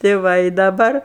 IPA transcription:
tʲɛɪ ˈʋɐ ɪ dɐˈbɐr

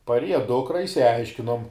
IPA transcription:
pɐrʲˈiɛjɛ ˈdʊkrɐ ɪʃʲsʲɪˈɐɪʃʲkʲɪnoːm

